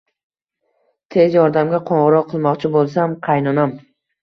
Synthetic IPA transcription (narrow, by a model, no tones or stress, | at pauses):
t̪ʰe̞zjɒɾd̪amɡʲaqʰoɴʁɨɾɒqʰːɨlˠmɒqt͡ʃʰɪbolˠs̬amqʰɑjnɒnam